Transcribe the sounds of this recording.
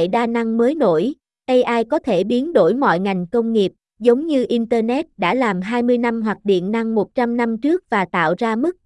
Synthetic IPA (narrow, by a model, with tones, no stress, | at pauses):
ɗaː˧na˧ŋməː˨˦jno̰˧˩˨j | ɗə˧jʔaː˧jkɔ˨˦t̪ʰe˧˩ɓi˨˦ənɗo˧˩jmɔ̰˧˨jŋa˨˩jŋ̟kə˧wŋ͡mŋi˨˩əp̚ | zə˨˦wŋ͡mɲɨ˧ʔi˧nt̪əː˧nɛ˦˥t̚ɗa̰ː˧˥laː˨˩mɦaː˧jmɨ˧əjna˧mɦwaː˨˩k̚ɗḭ˧˨ənːa˧ŋmo˨˩t̚t͡ɕa˧mna˧mt͡ɕɨ˦˥ək̚vaː˨˩t̪a̰ː˧˨wzaː˧mɨ˦˥k̚